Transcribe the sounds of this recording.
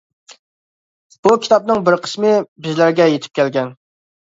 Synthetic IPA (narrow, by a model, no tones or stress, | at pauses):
b̥ukʲʰi̥t̪ʰɑp̚nɨŋbɪɾqʰə̥smɪbɪzlæɾɡʲɛjet̪ʰɪ̥p̚kʲʰɛlɡʲɛn